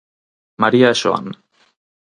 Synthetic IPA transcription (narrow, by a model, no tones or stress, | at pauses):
maɾiaʃo̰a̰n